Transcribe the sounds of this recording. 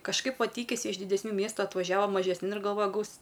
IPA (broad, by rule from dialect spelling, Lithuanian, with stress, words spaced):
kɐʃˈkɐɪp ˈʋɐ ˈtʲiːkʲɪsʲɪ ɪʃ dʲɪdʲɛsʲˈnʲuː ˈmʲiɛstʊ ɐtʋɐʒʲɛˈʋɐ mɐʒʲɛsʲˈnʲɪn ɪr ɡɐlˠˈʋoːjɛ ˈɡɐʊs